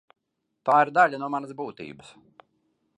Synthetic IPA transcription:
t̪aːiɾd̪alʲanuɔmanɐsbuːt̪ḭːbəs

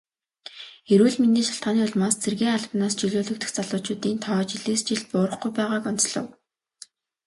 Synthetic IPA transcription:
eɾuːɮminiːʃaɬt̪ɢaːniːʊɮmaːst͡sʰerɣeːŋaɮpnaːst͡ɕiɮoːɮɵ̆k̚t̪ɘ̆xt͡saɮʊːt͡ɕʊːt̪iːnt̪ʰɔːt͡ɕiɮeːst͡ɕiɮt̪̚pʊːɾə̆χɡujpæːʁaːkɔn̥t͡sɮɞ̰̆w

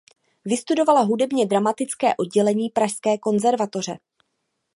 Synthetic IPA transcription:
vɪst̪udo̞valaɦudɛbɲɛdɾamat̪ɪt͡skɛ̰ːʔo̞d̚ɟɛlɛɲiːpɾaʃskɛːko̞nzɛɾvat̪o̞r̝ɛ

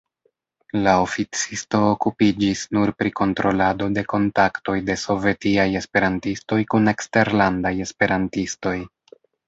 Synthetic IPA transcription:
lao̞fit͡sisto̞ːkupid͡ʒisnuɾpɾiko̞ntɾo̞lado̞de̞ko̞ntakto̞jde̞so̞ve̞tiaje̞spe̞ɾantisto̞jkune̞kste̞ɾlandaje̞spe̞ɾantisto̞j

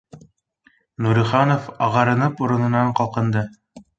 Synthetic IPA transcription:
nuɾiχɑnofɑʁɑɾɤ̆nɤpuɾɤ̆nɤ̆nɑɴqɑlˠqɤ̆nd̪ɤ

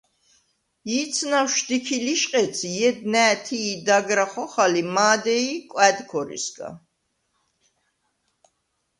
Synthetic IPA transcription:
jit̪sʰnawʃd̪ikʰiliʃqʼɛt̪sʰijɛd̪̚nɛːt̪ʰiːd̪aɡɾaχɔχalimaːd̪ɛikʼwɛd̪kʰɔɾḭsɡa̰

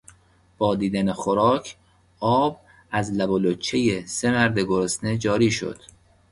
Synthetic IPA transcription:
b̥ɒːd̪iːd̪ænexoɾɒːcʰ | ɒːb̚ | æzlæbolot͡ʃʰːejesemæɾd̪eɡoɾosne̞d͡ʒɒːɾiːʃo̰d̪̥

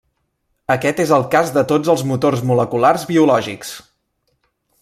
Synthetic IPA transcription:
əkɛt̪ezəlˠkazðət̪od͡zəlˠzmut̪orzmuləkularzβiulɔʒiks

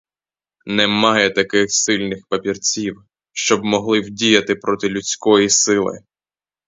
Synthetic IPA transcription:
nɛmɑjɛt̪ɐkɪxsɪlʲnɪxpɐpʲirt͡sʲiw | ʃt͡ʃɔbmɔɦlˠɪwdʲijɐt̪ɪpɾɔt̪ɪlʲut͡sʲkɔjisɪlˠɪ̰

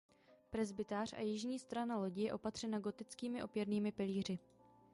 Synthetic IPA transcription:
pɾɛzbɪt̪aːr̝̥a̰jɪʒɲiːst̪ɾanalo̞ɟɪjɛʔo̞pat̪r̝̥ɛnaɡo̞t̪ɪt͡skiːmɪʔo̞pjɛɾniːmɪpɪliːr̝ɪ

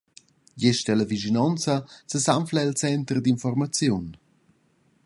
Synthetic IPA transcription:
jeʃtɛləviʒinɔnt͡səsəsamflaɛlt͡sɛnt̪əɾd̪infɔrmat͡sjun

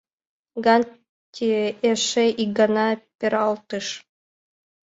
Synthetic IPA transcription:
ɡɑnʲ | tʲːieʂeʔiɡɑnɑpʲeɾɑlˠt̪ɯʂ

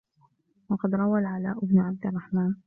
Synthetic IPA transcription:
wɑqɑd̪ɾˤɑwalʕalaːʔʊbnʊʕab̚d̪ɪrˤːɑħmaːn

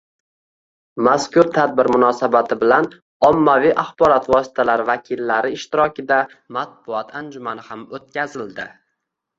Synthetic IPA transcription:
maskʊɾt̪ʰad̪̚bɪɾmʊnɒsabat̪ʰɪbɪlan | ɒmːaviʔaχbɒɾɒt̪vɒsɪ̥t̪ʰalaɾvakʲʰɪlːaɾɪːʃt̪ɪɾɒkʲɪd̪a | mat̪̚bʊɒt̪ʰand͡ʒʊmanɪhamot̪̚kʲazɪld̪ɪ

